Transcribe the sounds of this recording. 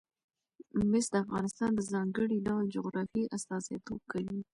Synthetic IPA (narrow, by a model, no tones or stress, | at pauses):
mɪsd̪əafɣɑnɪst̪ɑnd̪əzɑŋɡəɽiɖawəld͡ʒoɣɾɑfiʔast̪ɑzat̪ʰob̚kawi